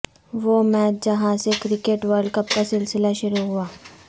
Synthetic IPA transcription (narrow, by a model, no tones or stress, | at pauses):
ʋomɛːtd͡ʒɐɦãsekɾɪkeʈʋəɾɖkɐpkasɪlsɪlaʃʊɾuɦʊaː